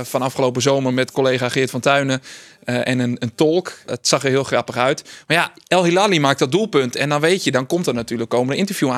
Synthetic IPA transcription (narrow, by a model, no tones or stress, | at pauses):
fɔnɑfχəlowpəzowmərmɛtkolejχaːχɪːtfɔntœɥnəʔɛnənəntɔlˠkətsɑχərɦɪəlˠxrɑpəχœɥtmaɹjaɛlˠhilaːlimaːk̚dɔt̚dulˠpɵntɛndɔnʋejtjədɔnkɔmtərnatyːləkːowməndəɪntəɹvju